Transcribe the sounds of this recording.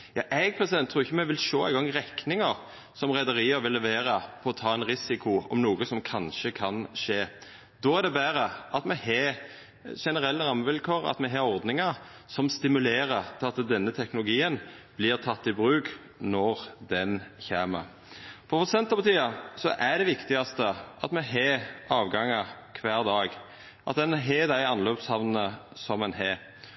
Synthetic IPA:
jɑ̰ːʔɛɡ̚pʰɾɛsɪd̪ɛnt̪ʰːɾuːɾɪçːəmɛʋɪlʃoːæ̰ɪɡɔŋːʁɛknɪŋɑʁ | sɔmʁɛd̪əɾiːəɾʋɪlːɛʋeːɾəpʰɔɔt̪ʰɑːɛnɾɪsɪkʰʊɔ̰mnuːɡəsɔmkʰɑnʃəkʰɑnʂeː | d̪ɔæd̪ɛbæːɾəʔɑt̪mɛheː | ʃɛnəɾɛlːəɾɑməʋɪlkʰoːʁɑ̰t̪mɛɦɑːɾɔʁd̪nɪŋəsɔmst̪ɪmʉleːɾət̪ʰɪlɑt̪d̪ɛnːət̪ʰɛknʊlʊɡiːənb̥lɪːʁt̪ʰɑt̪ːɪbɾʉːk | nɔʁd̪ɛnçæːmə | fʰɔɾfɔsɛnt̪ɑbət̪iːɑsɔʔæd̪ɛʋɪkt̪ɪɡɑst̪əʔɑt̪mɛɦeːɑːʋɡɑŋəkʰʋæːɾd̪ɑːɡ | ʔɑt̪̚d̪ɛnɦeːd̪æɪɑnløːpshɑʋnənəsɔmɛnɦeː

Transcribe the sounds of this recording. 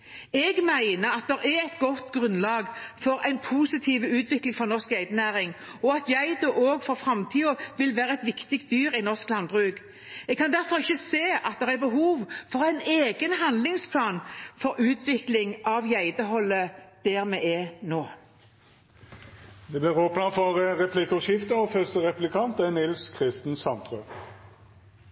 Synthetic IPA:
ɛɡmæɪnəɑt̪̚d̪ɛʁɛɾɛt̪ɡɔt̪ːɡʁʉnlɑːɡfɔɾæɪnpʰuːsɪt̪ʰiːʋəʉːt̪ʰʋɪklɪŋfɔʁnɔʁskjæɪd̪ənæːɾɪŋɔɑt̪jæɪd̪ɔʔoːɡfɔʁfɾɑmt̪ʰiːɔʋɪlʋæːʁəɛt̪ʋɪkt̪ɪk̚t̪̚d̪yːɾɪnɔʁsklɑnbʁʉːɡ | ɛɡkʰːɑnd̪æɾfɔʁɪçːəseːɑt̪̚d̪ɛʁæɾbəɦuːʋfɔʁæɪneːɡənɦɑnd̪lɪŋspʰlɑːnfɔɾʉːt̪ʰʋɪklɪŋɑʋjæɪd̪əɦɔlːəd̪̥ɛʁmɛʔɛnoː | d̪ɛːblɪʁoːpnəfɔʁəʁɛpʰlɪkʊʃɪft̪əɔfœʁst̪əʁɛpʉlɪkʰɑnt̪ɛnɪlskʰʁɪst̪n̩sɑnt̪ʁʉ

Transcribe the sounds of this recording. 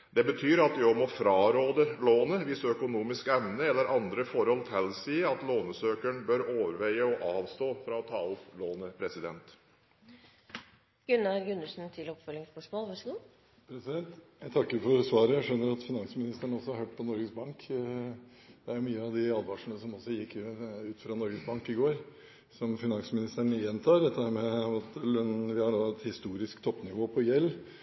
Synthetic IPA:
d̪̥ɛbət̪ʰyːɾɑt̪̚d̪ɪɔmɔfɾɑːɾoːd̪əloːnəʋɪsœkʊnuːmɪskɛʋnəɛlːəɾʔɑnd̪ɾəfɔɾhɔlt̪hɛlːsiːəɑt̪loːnəsøːkəɳbœɾoːʋəɾʋæɪəɔʔɑːʋst̪oːfɾɑɔt̪ʰɑːʊploːnəpʰɾɛsɪd̪ɛ̰nt̪ | ɡ̥ʉnːæɾɡʉnːəsn̩t̪ʰɪlɔpfœlɪŋspœʂmoːlʋɑʂɡuː | pʰɾɛsɪd̪ɛnt̪jæɪt̪ʰɑkːəɾfɔɾsʋɑːɾəjæʂœnːəɾɑt̪fɪnɑŋsmɪnɪst̪əɳəɔsːɔhɑɾɦøːʈ̚ːpʰɔnɔɾɡəsbɑŋk | d̪̥ɛæɾjʊmyːəɑʋd̪ɪɑːlʋɑʂɳəsɔmɔsːɔjɪkːʉːt̪fɾɑnɔɾɡəsbɑŋkɪɡoːɾ | sɔmfɪnɑŋsmɪnɪst̪əɳəjɛnt̪ʰɑːɾɛt̪ːəhæːɾmɛɑt̪nʋɪhɑɖoːɛt̪hɪst̪uːɾɪskt̪ʰɔpːnɪʋoːpʰɔjɛlː

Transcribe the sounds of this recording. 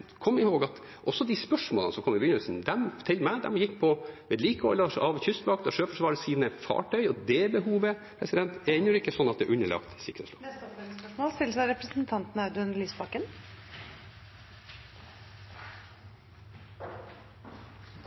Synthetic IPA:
kʰɔmːɪhoːɡɑt̪ | ʔɔsːɔd̪ispœʂmoːlənəsɔmkʰɔmːɪbjʏnəlsnd̪ɛmt̪ʰɪlmæɪd̪ɛ̰mjɪkːpʰɔʋɛːd̪liːkɔ̰lːəɾʂʔɑːʋçʏst̪bɑːkt̪ɔʂøːfɔʂʋɑːɾəsiːnəfɑ̰ːʈʰœʏɔd̪ɛbəɦuːʋəpʰɾɛsɪd̪ɛnt̪ɛɪnəɾɪkːəsɔnːɑt̪̚d̪ɛ̰ʔʉnːəɭɑ̰ːkt̪sɪkɾə̰slo̰ːɛst̪ɔɛlspœʂmoːlspɪlsɑɾɛpɾəsnt̪ʰɑnt̪n̩ɑʉd̪nliːsbɑkən

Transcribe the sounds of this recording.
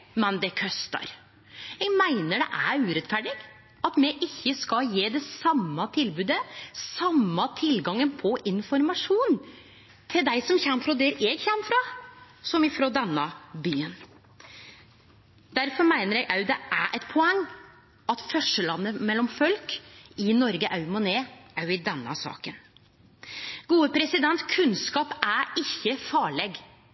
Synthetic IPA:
mɛnd̪ɛkʰœst̪ɑ̰ɾ | jɛɡmæɪnəɖɛ̰ʔæɾʉːɾɛt̪fæɖɪɡ | ɑt̪mɛʔɪçːəskɑjeːd̪ɛsɑmːɑt̪ʰɪlbʉːd̪əsɑmːɑt̪ʰɪlɡɑŋːənpʰɔʔɪnfɔɾmɑʂuːn | t̪ʰɪld̪æɪsɔmçɛmːfɾoːd̪ɛɾɛɡçɛmːfɾɑː | sɔmɪfɾoːd̪ɛnːɑbyːən | d̪æɾfɔɾmæɪnəɾjɛɡʔɑʉd̪ɛʔæɾʔɛt̪pʰɔɛŋː | ɑt̪fœʂəlɑnːəmɛlːɔmfɔlkɪnɔɾɡəʔɑʉmɔneːʔɑʉɪd̪ɛnːɑ̰sɑ̰ːkən | ɡ̥uːəpʰɾɛsɪd̪ɛnt̪kʰʉnskɑːpæɾɪçːəfɑːɭɛɡ

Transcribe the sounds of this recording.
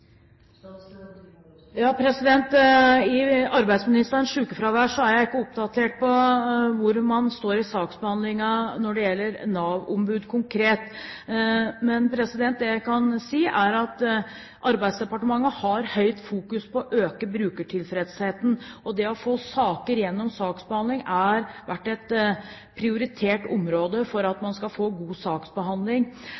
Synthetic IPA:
jɑːpʰɾɛsɪd̪ɛnt̪ɪɑɾbæɪd̪smɪnɪst̪əɾnʂʉːkəfɾɑʋæʂɔæɾjæɪɪkːəʊp̚d̪ɑt̪ʰeːʈ̚pʰɔʋʊɾmɑnst̪oːɾɪsɑːksbəhɑnd̪lɪŋɑnɔɖɛjɛlːəɾnɑːʋʊ̰mbʉːd̪kʰʊŋkʰɾeːt̪ | mɛnpʰɾɛsɪd̪ɛnt̪̚d̪ɛjæɪkɑnsiːʔæɾɑt̪ | ʔɑɾbæɪd̪sd̪ɛpɑʈəmɑŋːəhɑɾhœʏt̪fuːkʉspʰɔʔøːkəbɾʉːkəʈʰɪlfɾɛd̪sheːt̪n̩ɔd̪ɛɔfoːsɑːkəɾjɛnːɔmsɑːksbəhɑnd̪lɪŋæɾʋæʈːɛt̪ | pʰɾɪʊɾɪt̪ʰeːʈʊmɾoːd̪əfɔɾɑt̪mɑnskɑfoːɡuːsɑːksbəɦɑnd̪lɪŋ

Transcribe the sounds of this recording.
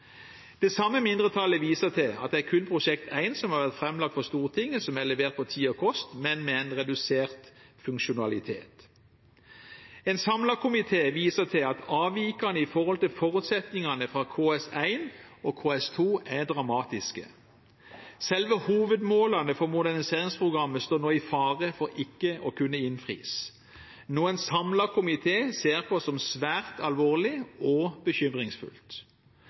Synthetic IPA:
d̪̥ɛsɑmːəmɪnd̪ʁət̪ʰɑləʋiːsət̪ʰɪlɑ̰t̪̚d̪ɛækʰʉnpʰʁʊʃɛk̚t̪ʰæɪnsɔmhɑɾʋæʁt̪fʁɛmlɑk̚t̪fɔʁst̪uːʁt̪ʰɪŋːəsɔmælɛʋeːʁt̪̚pʰɔt̪ʰiːɔkʰɔst̪mɛnmɛɛɪnʁɛd̪ʉseːʁt̪ | fʉŋkʃʊnɑlɪt̪ʰḛːt̪ | ɛnsɑmlɑkʰʊmɪt̪ʰeːʋiːsət̪ʰɪlɑt̪ʰɑːʋiːkɑnəɪfɔʁhɔlt̪ɪlfɔʁʉt̪sɛt̪nɪŋɑnəfʁɑkʰoːɛsæɪnɔːkʰoːɛst̪ʰuːʔæd̪ʁɑmɑːt̪ɪskə̰ | sɛlʋəhuːʋəd̪moːlɑnəfɔʁmʊd̪æʁnɪseːʁɪŋspʁʊɡʁɑmːəst̪oːnoːɪfɑːʁəfɔɾɪkːəʔɔkʰʉnːəɪnfʁḭːs | nuːənsɑmlɑkʰʊmɪt̪ʰeːseːʁpʰɔsɔmsʋæːʁt̪ʰɑlʋoːʁlɪɔbəçʏmʁɪŋsfʉ̰lt̪

